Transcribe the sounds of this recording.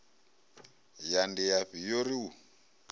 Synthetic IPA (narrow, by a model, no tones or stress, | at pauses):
jandijaɸijoɾiu